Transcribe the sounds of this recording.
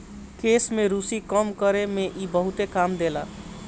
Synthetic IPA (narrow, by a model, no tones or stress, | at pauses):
kesmeɾusikəmkəɾemeʔibəɦut̪ekamd̪ela̰